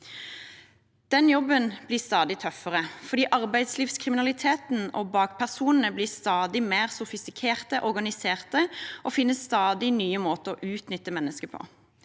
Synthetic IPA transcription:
d̪̥ɛnjɔbənb̥liːst̪ɑːd̪ɪt̪ʰœfəʁəfɔʁd̪iːʔɑʁbæɪd̪sliːfskʰʁɪmɪnɑlɪt̪ʰeːt̪n̩oːbɑːɡpʰæʁsuːnən̩əbliːst̪ɑːd̪ɪmeːʁsʊfɪst̪ɪkʰeːʁt̪əʔɔʁɡɑnɪseːʁt̪əʔofɪnːəsst̪ɑːd̪ɪnyːəmoːt̪əɔʔʉːt̪nʏt̪ːəmɛnːəskəpʰɔ̰

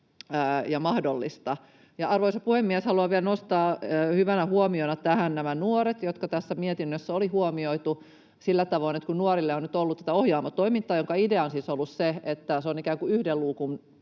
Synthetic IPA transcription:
əːjɑmɑhdolːist̪ɑ | jɑʔɑrʋoisɑpuhemːiɛshɑluɑʋielnost̪ɑːhyʋænæhuomionɑt̪æhænnæmænuoɾet̪jot̪kɑt̪æsːæmiet̪inːøsːæolihuomioit̪u | silːæt̪ɑʋoinet̪kunnuoɾilːeonyt̪olːut̪t̪æt̪æohjɑːmɑt̪oimint̪ːˑɑːjoŋkɑideɑonsiːsolːusseet̪ːæseonikæːŋkuyhdelluːkun

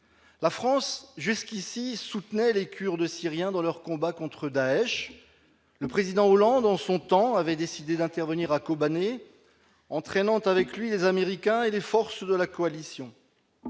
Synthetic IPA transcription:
lafχɑ̃sʒyskʲisisut̪nɛlekʲyʁd̪əsiʁjɛ̃d̪ɑ̃lœʁkɔ̃bakɔ̃t̪χəd̪aɛʃ | ləpχezid̪ɑ̃olɑ̃d̪ɑ̃sɔ̃t̪ɑ̃avɛd̪esid̪ed̪ɛ̃t̪ɛʁvəniʁakobane | ɑ̃t̪χɛnɑ̃t̪avɛklɥilezameʁikʲɛ̃elefɔʁsd̪əlakɔalisjɔ̃

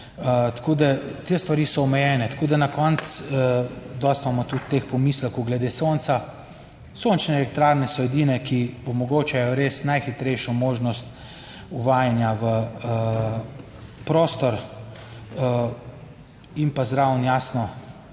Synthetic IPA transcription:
t̪koːd̪at̪eːst̪ʋaɾiːsɔɔmɛjɛːnɛt̪koːd̪anakɔnt̪s | d̪ɔst̪mamɔt̪ut̪ːexpɔmislɛkɔwɡlɛd̪eːsont̪sa | sont͡ʃnɛːlɛk̚t̪ɾaɾnɛsɔɛd̪inɛkiɔmɔɡoːt͡ʃajɔɾeːsnajxit̪ɾɛjʃɔmoːʒnɔst̪ | uʋaːjanjaʋə | pɾoːst̪ɔɾ | impazɾawnjasnɔ

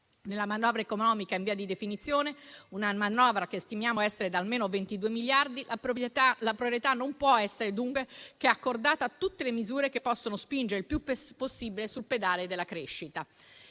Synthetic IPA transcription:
nelːamanɔːvɾaekonɔːmikaiɱviːad̪id̪efinit̪sːjoːneunamanɔːvɾak̟est̪imjaːmoɛsːeɾed̪almeːnovent̪id̪uːemiljard̪ilalapɾopɾjet̪anːompwɔɛsːeɾed̪uŋkwekeɛakːord̪aːt̪aːt̪ːut̪ːelemizuːɾek̟epːɔsːonospind͡ʒeɾeilpjupposːibilesulped̪aːled̪elːakɾeʃːit̪a

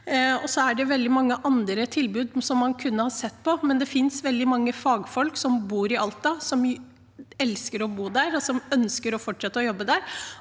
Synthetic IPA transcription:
ɔsɔæɖɛʋɛld̪ɪmɑŋːəʔɑnd̪ɾət̪ʰɪlbʉːd̪sɔmːɑnkʰʉnːəhɑsɛt̪ːpʰɔmɛnd̪ɛfɪnsʋɛld̪ɪmɑŋːəfɑːɡfɔlksɔmbuːɾɪʔɑlt̪ɑsɔm | ɛlskəɾɔbuːd̪æɾɔsɔmœnskəɾɔfɔʈʂɛt̪ːəɔjɔbːəd̪æːɾ

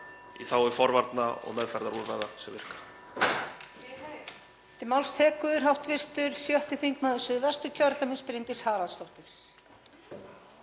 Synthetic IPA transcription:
ḭθawɛɾ̥fɔɾvaɾt̪naɔ̰ɣnɛðfɛɾðaɾuɾvaːðasɛmvɪr̥kḁ | t̪ɪmawlst̪ʰɛːkʏðʏɾ̥ɦawht̪vɪr̥t̪ʏɾ̥sjœht̪ɪθiŋkmaðʏsʏðvɛst̪ʏcʰœɾt̪amɪnspɾɪnt̪ɪshaːlant̪st̪ɔht̪ɪɾ̥

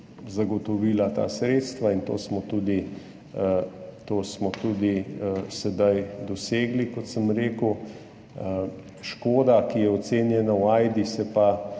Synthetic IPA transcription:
zaɡɔt̪ɔʋiːlat̪a̰ːsɾeːt̪st̪ʋaint̪o̰ːsmɔt̪uːd̪i | t̪oːsmɔt̪uːd̪isɛd̪ajd̪ɔseːɡlikɔt̪səmɾeːkəw | ʃkoːd̪akijɛɔt̪seːnjɛnawajd̪isɛpa

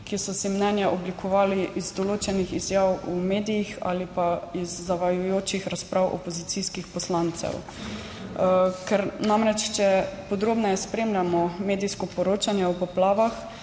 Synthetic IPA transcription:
kisɔsimnɛnjaʔɔblikʰɔʋaːliʔizd̪ɔloːt͡ʃɛnixizjaːwumeːd̪ijixa̰ːlipaizːaʋajujoːt͡ʃixɾaspɾʔaːwʔɔ̰pɔzit̪siskixpɔslant̪sɛ̰w | kɛɾnamɾɛt͡ʃt͡ʃɛpɔd̪ɾoːbnɔjɛspɾeːmlʲjamɔmeːd̪ijskɔpɔɾoːt͡ʃanjɛwpɔplaːʋax

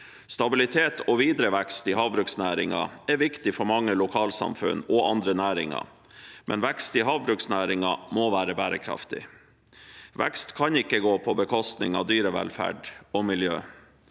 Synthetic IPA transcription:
st̪ɑbɪlɪt̪ʰeːt̪ʰɔʋiːd̪ɾəʋɛkst̪iːhɑːʋbɾʉksnæːɾɪŋɑ̰ɛʋɪkt̪ɪfɔɾmɑŋːəlʊkʰɑːlsɑ̰mfʉ̰nɔʔɑnd̪ɾənæːɾɪŋɑ̰ | mʔɛ̰nʋɛkst̪iːɦɑːʋbɾʉksnæːɾɪŋɑmoʋæːɾəbæːɾəkʰɾɑ̰ft̪ɪ | ʋɛ̰kst̪kʰɑnɪkːəɡoːpʰɔbəkʰɔst̪nɪ̰ŋɑ̰ʋd̪yːɾəʋɛ̰lfæ̰ːɖɔmɪljø̰ː

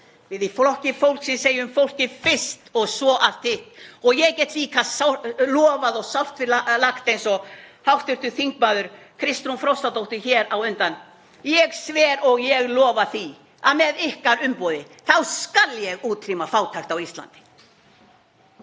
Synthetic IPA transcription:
vɪðifɔhcɪfowl̥ksɛnseːjʏmfowl̥cɪfɪ̥st̪ɔɣsvɔʔaft̪ʰɪh̪ɔɣjɛɣcɛːt̪liːkasalɔːvaðɔɣsawft̪vɪlalaxt̪ejnsɔhawht̪ʏr̥t̪ʏθiŋk̚maːðʏɾ̥ | kʰɾɪst̪ɾunfɾɔwst̪at̪owht̪ɪçɛːɾawʏnt̪an | jɛɣsvɛːɾɔɣjɛɣlɔːvaθi | aðmɛðɪhkaɾʏmpɔːðɪ | θawskaljɛɣuːt̪ʰɾimafaːwt̪ʰajxt̪awist̪la̰nt̪ɪ̥

